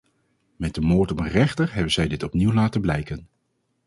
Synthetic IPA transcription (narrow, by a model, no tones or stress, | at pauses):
mɛd̚dəmʊːɹtɔmənrɛχtəɹɦɛbənzɛjdɪtɔpniwlaːtəblɛjkən